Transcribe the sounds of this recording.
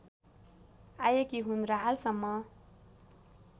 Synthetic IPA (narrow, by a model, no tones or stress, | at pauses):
ajekiɦunraɦalsʌmːʌ